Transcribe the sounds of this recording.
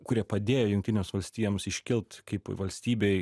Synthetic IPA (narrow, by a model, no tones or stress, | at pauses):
kʊɾʲiɛpɐd̪ʲeːjoːjʊŋkt̪ʲɪnʲeːmsʋɐlʲsʲt̪ʲiːjomsɪʃʲkʲɪlˠt̪kɐɪpʋɐlʲsʲt̪ʲiːbʲɛɪ